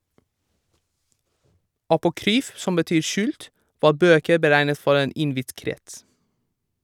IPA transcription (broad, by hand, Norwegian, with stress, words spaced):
ɑpʊˈkɾyːf ˈsɔm bəˈtyːɾ ˈʃʉːlt ˈʋɑː ˈbøːkəɾ bəˈɾæɪnət ˈfɔɾ ˈeːn ˈɪnˌʋɪt ˈkɾɛts